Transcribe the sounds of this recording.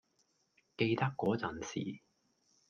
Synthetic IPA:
ke˧jt̪ɐ˥kːɔː˨˥t͡sɐ˨˩nsḭː˨˩

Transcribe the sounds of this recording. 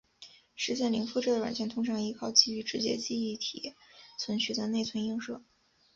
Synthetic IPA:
ʂɻ̩˧˥ɕ̬jɛ˥˩nli˧˥ŋfu˥˧ʈ͡ʂɤ˥˩ə˩wa̰˨˩nt͡ɕjɛ˥˩nt̪ʰʊ˥ŋʈ͡ʂʰɑ˧˥ŋi˧˥kʰɑ˥˩ʊt͡ɕi˥˩y˧˥˩ʈ͡ʂɻ̩˧˥t͡ɕjɛ̰˥t͡ɕi˥˧i˥˩t̪ʰḭ˨˩t͡sʰwə˧˥nɕy˥˧t͡sa˥˧ɪne˥˩ɪt͡sʰwə˧˥ni˥˧ŋʂɤ˥˩

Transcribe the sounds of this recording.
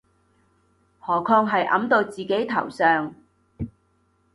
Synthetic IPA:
hɔː˨˩kʰɔː˧ŋɦɐ˨jʔɐ̰˨˥mt̪o˧wt͡siː˨ke˨˥jt̪ʰɐ̰˨˩wsœː˨ŋ

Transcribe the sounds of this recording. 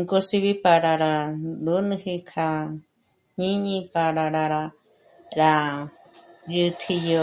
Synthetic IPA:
ŋko˦si˧βi˦pa˧ɾa˧ɾa˧d̪u˦nɨ̃˦hi˧kʰa˧ | ɲĩ˦ɲĩ˦pa˧ɾa˧ɾa˧ɾa˧ | ɾa˧ | jɨ˧t̪ʰi˧jo˧

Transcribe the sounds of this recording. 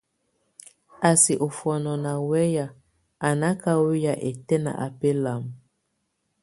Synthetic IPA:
a˨si˨ʔo˨fɔ˨nɔ˨na˨wɛ˦ja˨ | a˨na˦ka˦wo˦ja˨ʔe˨tɛ˦na̰˨ʔa˨pe˦la˨m˨

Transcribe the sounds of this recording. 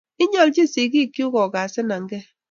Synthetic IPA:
i˦ɲɔ˦ld͡ʒi˦˨si˨ɡi˦˨ki˦u˦ɣɔ˨ɡa˨sɪ˦na˨ŋ̩˦ɡe˦

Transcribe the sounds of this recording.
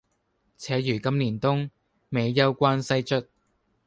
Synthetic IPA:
t͡sʰɛː˨˥jyː˨˩kɐ˥mniː˨˩nt̪ʊ˥ŋ | me˨˧jːɐ˥wkʷaː˥nsɐ˥jt͡ʃɵ˥t̚

